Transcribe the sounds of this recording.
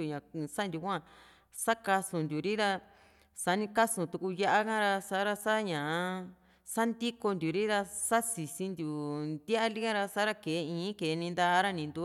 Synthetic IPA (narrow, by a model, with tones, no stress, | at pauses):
u˨ɲã˨˧sa˦nd̪ju˧kʷã˦˧ | sa˦ka˧sũ˨nd̪ju˨ɾi˦ɾa˧ | sa˧˦nĩ˧ka˦sũ˧t̪u˧ku˧ja˧ʔa˦kã˦ɾa˧sa˧˦ɾa˧sa˦ɲã˨˧ | sa˦nd̪i˦ko˧nd̪ʲu˨ɾi˦ɾa˧sa˦si˨sĩ˧nd̪ju˨nd̪ja˦ʔa˦li˦ɣã˦ɾa˧sa˦ɾa˦ke˨˦˧ĩː˨˦ke˨˦˧nĩ˧nd̪a˧ɾa˦nĩ˧nd̪u˧